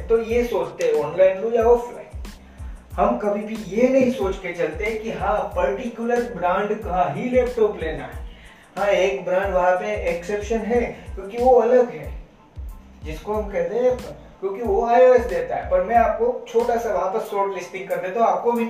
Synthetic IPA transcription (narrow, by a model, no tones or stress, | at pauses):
t̪ojesoːt͡ʃt̪eɦɛ̃ɔ̃ːnlaːɪnlujaɔːfʰla̰ːɪ̃n | hɐmkɐbʱibʱijenɐɦĩsoːt͡ʃket͡ʃɐlt̪eɦɛ̃kiɦãpɐɾʈikjʊləɾbɾãːɳɖkɐɦãɦilɛːp̚ʈɔːpleːna̰ɦɛ̰ː | ɦãeːkbɾãːɳɖʋɐɦãpeʔeksepʃənɦɛːkjõːkiʋoɐləɡɦɛː | d͡ʒɪskoɦɐmkɛɦt̪ẽɦɛ̃ | kjõːkioaːjoːɛsd̪eːt̪aɦɛpɐɾmɛ̃aːp̚kot͡ʃʰoːʈasaʋɐaɦãpəɾsːoːɾʈlɪsʈɪ̃ŋɡ̚kɐɾnet̪ʰõaːp̚kobʱi